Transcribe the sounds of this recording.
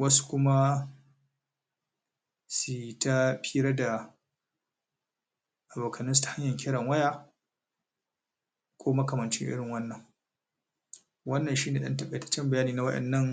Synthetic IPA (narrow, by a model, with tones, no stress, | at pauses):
wɐ˦su̥˦kʷʊ˦ma˦ | si˨ta˦ɸʰiː˦ɾɐ˦da˨ | ʔa˨boː˨kʰɐ˨nɪ˦ns̬tḁ˨ha˦ɲjɐ˨ŋkʲʰɪ˦ɽɐ˨ŋwɐ˦jaː˦ | kʷʰoː˦mɐ˦kɐ˨mɐ˨nt͡ʃɪ̰˦ʔɪ̰˦ɽɪ˨ŋwɐ˦nːɐ˨ŋ | wɐ˦nːɐ˨nʃiː˦neː˨ɗɐ̰˦ntɐ˦ɓɐ˨tɐ̥˦t͡ʃːɪ˦mbɐ˨jaː˦niː˨na˨˦wɐ˦ɗɛ̰˨nːɐ˦ŋ